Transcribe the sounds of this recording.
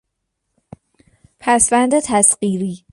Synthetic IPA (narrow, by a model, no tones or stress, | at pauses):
pʰæsvænd̪et̪ʰæsɢiːɾiː